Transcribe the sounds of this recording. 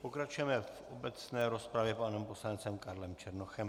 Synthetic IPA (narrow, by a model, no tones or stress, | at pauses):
po̞kɾat͡ʃujɛmɛfʔo̞bɛt͡snɛːɾo̞spɾavjɛpanɛmpo̞slant͡sɛmkaɾlɛmt͡ʃɛɾnoxɛm